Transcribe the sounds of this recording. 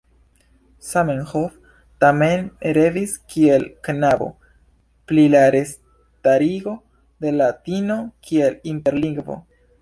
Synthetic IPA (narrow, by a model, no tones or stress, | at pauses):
samenhof | tameneɾe̞viskʰie̞lknabo̞̰ | plilaɾe̞s | taɾiɡo̞ | de̞latino̞kʰie̞linte̞ɾliŋɡvo̞̰